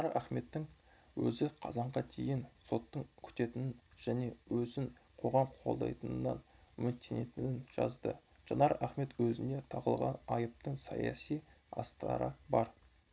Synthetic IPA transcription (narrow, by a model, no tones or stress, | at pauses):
ɑɾæχme̞t̪ːɪŋ | wɵ̰zɪqʰɑ̰zɑɴʁɑt̪ʰe̞̰jɪnso̞t̪ːəɴkʲʰʏ̥t̪e̞t̪ɪnɪnʒ̥æne̞wɵzɪŋqʰo̞ʁɑmqʰo̞lˠd̪ɑ̰jt̪ənənːɑ̰nmʏnt̪ʲʰene̞t̪ɪnɪnʒ̥ɑ̰zd̪ə | ʒ̥ɑnɑɾæχme̞t̪wɵzɪnd̪e̞t̪ʰɑʁə̰lˠʁɑ̰nɑjəp̚t̪əɴsɑ̰jɑ̰sij | ɑ̰st̪əɾɑ̰ɾəbɑɾ